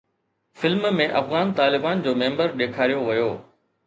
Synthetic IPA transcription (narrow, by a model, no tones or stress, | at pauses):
fɪlmmẽʔɐfɣaːnt̪aːlɪbaːnd͡ʑoːmẽːmbəɾɗeːkʰaːɾijoʋɐjoː